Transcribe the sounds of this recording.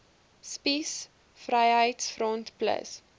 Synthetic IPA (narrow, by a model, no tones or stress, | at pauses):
spis | frəjɦəjtsfrɔntplə̰s